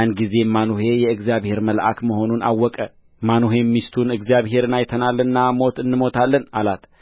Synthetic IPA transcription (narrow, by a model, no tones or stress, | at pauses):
anɡize̞manuɦe̞jɛɨɡzijaβhe̞ɾməlʔa̰kməɦho̞nunʔa̰wːɔkʼə | manuɦe̞mːist̪ʰunɨɡzijaβhe̞ɾɨnajt̪ʰənalːɨnːamo̞t̪ɨnːɨmo̞t̪ʰalːənalat̪ʰ